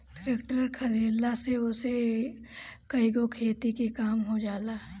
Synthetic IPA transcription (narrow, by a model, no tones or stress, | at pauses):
ʈɾekʈɾəɾkʰɐɾiːlaseʊse | kɐiɡokʰeːt̪ikikaːmɦod͡ʒaːlaɦ